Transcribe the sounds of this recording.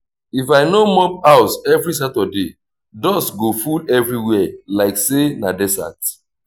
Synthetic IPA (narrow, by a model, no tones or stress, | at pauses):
ifaɪnomɔpaʊsɛvɹis̬atɔde | dɔsɡofudɛvɹiwɛlaɪksenadɛsa̰t